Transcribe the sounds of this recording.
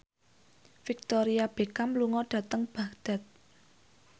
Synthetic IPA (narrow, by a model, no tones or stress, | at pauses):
fik̚t̪ɔɾiab̥e̤kamluŋɔɖ̥ä̤t̪əŋb̥a̤d̪̥a̤t̪̚